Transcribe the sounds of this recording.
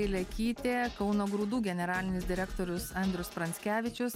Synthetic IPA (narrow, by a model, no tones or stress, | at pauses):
ɪlʲɛkʲiːt̪ʲeːkɒʊnoːɡɾuːd̪uːɡʲɛnʲɛɾɑːlʲɪnʲɪsd̪ʲɪɾʲɛkt̪oːɾʲʊsɐnʲd̪ʲɾʲʊspɾɐnʲsʲkʲæːʋʲɪt͡ʃʲʊs